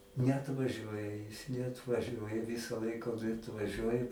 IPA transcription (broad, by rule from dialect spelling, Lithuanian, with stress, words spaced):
nʲɛɐtʋɐˈʒʲuɔjɛ jɪs nʲɛɐtʋɐˈʒʲuɔjɛ ˈʋʲɪsɐ ˈlˠɐɪkɐ oː tɐɪ ɐtʋɐˈʒʲuɔjɛ